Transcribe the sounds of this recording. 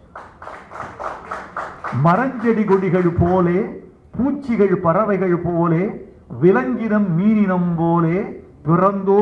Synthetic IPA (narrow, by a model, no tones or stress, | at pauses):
mɐɾɐɲd͡ʒɐɽɪɣɔɽɪɣɐɭpoːleː | puːt͡ʃːɪɣɐɭpɐrɐʋɐɪɣɐɭpoːleː | ʋɪlɐŋɡɪnɐmːiːnɪnɐmpoːleː | pɪrɐnd̪oː